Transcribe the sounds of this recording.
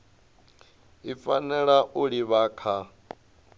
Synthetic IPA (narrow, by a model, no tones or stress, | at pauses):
ifanɛɺaʔuɺiβaːkʰa